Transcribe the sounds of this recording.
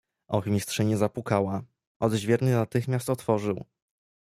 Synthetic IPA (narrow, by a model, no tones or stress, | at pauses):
ʔɔxmʲist̪ʂɛɲɛzapukawa | ʔɔd̪ʑvʲjɛɾnɘnat̪ɘxmʲast̪ɔt̪fɔʐɘw